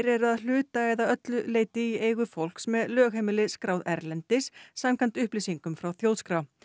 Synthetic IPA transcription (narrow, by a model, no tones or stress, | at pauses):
ɾɛɾʏaðl̥ʏːt̪aɛjðaœt̪lʏleːjt̪ɪieːjɣʏfowl̥ksmɛðlœːɣheːmɪlɪskɾaːwðɛɾlɛnt̪ɪsːamkʰant̪ʏhplisiŋkʏmfɾawθjoːwt̪skɾaw